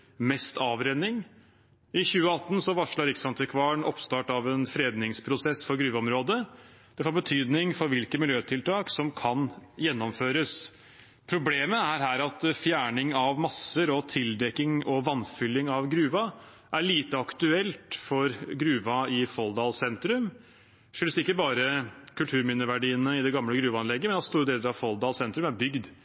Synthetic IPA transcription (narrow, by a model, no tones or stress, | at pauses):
mɛst̪ɑːʋɾɛnɪŋ | ɪçʉːəɑt̪ːn̩sɔʋɑʂɭɑɾɪksɑnt̪ʰəkʰʋɑːɳɔpst̪ɑːʈɑʋɛnfɾeːd̪nɪŋspʰɾʊsɛsfɔɾɡɾʉːʋɑɔmɾoːd̪əd̪̥ɛfoːɾbət̪ʰyːd̪nɪŋfɔɾʋɪlkəmɪljøːt̪ʰɪlt̪ʰɑːksɔmkʰɑnjɛnːɔmføːɾəs | pʰɾʊbleːməæɾɦæːɾɑt̪fjæːɳɪŋɑʋmɑsːəɾɔt̪ʰɪld̪ɛkːɪŋɔʋɑnfʏlːɪŋɑʋɡɾʉːʋɑ | ʔæɭiːt̪əɑkt̪ʉɛlt̪fɔɾɡɾʉːʋɑɪfɔld̪ɑːlsɛnt̪ɾʉm | ʂøːlsɪkːəbɑːɾəkʰʉlt̪ʰʉːɾmɪnəʋæɖiːənəɪd̪ɛɡɑmləɡɾʉːʋɑɑnlɛɡːəmɛnɑt̪st̪uːɾəd̪eːləɾɑʋfɔld̪ɑːlsɛnt̪ɾʉmæɾbʏɡd̪